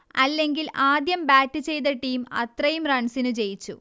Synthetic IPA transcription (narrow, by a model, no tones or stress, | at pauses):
ɐlːe̞ŋɡilʔaːd̪jɐmbaːtːɨt͡ɕe̞jt̪̬ɐʈːiːmɐ̰t̪rɐjumrɐɳsinut͡ɕe̞jit͡ɕːu